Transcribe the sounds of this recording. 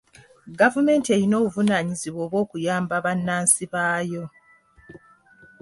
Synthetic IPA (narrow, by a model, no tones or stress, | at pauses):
ɡavume̞ːntie̞ɾino̞ːβuvunaːɲiziβwo̞ːβwo̞ːkujaːmbaβanːaːnsiβaːjo̞